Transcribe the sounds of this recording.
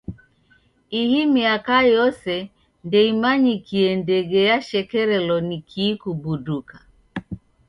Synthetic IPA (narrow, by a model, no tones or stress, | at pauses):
ihimiakajɔsɛ | ndɛimaɲikiɛndɛɡɛjaʃɛkɛɾɛlɔnikʰiːkubuduka